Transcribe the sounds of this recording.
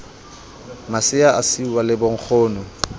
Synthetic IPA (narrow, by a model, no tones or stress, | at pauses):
masɪaʔasiwalɪboŋ̩k͡xʰʊːnɔ